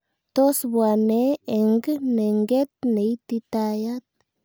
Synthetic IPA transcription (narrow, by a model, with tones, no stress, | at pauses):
t̪o˦sbwa˨ne˦e˨ŋɡne˨ŋɡe˦t̪̚ne˨jt̪i˧t̪a˧ja˦t̪̚